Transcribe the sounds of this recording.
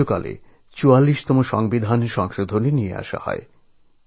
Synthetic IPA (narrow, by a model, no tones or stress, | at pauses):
oka̰lḛ | t͡ɕualːiʃt̪ɔmoʃɔ̰ŋbid̪ʱanʃɔŋʃod̪ʱoneniea̰ʃa̰hɔ̰e